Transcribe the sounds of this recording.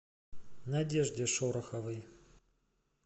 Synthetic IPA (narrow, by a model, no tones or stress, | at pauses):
nɐdʲeʐdʲɪʂoɾɐxɐvɨj